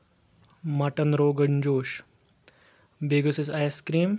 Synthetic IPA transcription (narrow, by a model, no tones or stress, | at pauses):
maʈənɾoːɡənd͡ʑoːʃ | beːɡəsesajskɾiːm